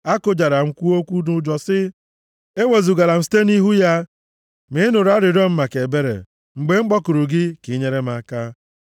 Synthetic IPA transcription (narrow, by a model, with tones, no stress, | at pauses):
a˦kʊ˨˦d͡ʒa˨ɾa˨ŋ͡m̩˦kʷu˦o˦kʷu˦dʊ˨d͡ʒɔ˨sɪ˦ | e˦we˨zu˨ɡa˨la˨m̩˦si̥˦te˦ni˦ɦu˦ja˦ | mɪ˨˦nʊ˨ɾa˦ɾɪ˨ɾɔ˦m̩˦ma˨ke˨be˦ɾḛ˨ | ŋ͡m̩˨ɡ͡be˦ŋ͡m̩˦k͡pɔ˦kʊ˨ɾʊ˨ɡɪ˦kɪ˨˦ɲe˦ɾe˦m˦a˦ka˦